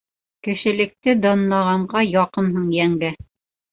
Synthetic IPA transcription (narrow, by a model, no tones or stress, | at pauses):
kɘ̆ʃɘ̆lɘ̆k̚t̪ɘd̪ɑnːɑʁɑɴɢɑjɑqɤnɦɤɴjæŋɡæ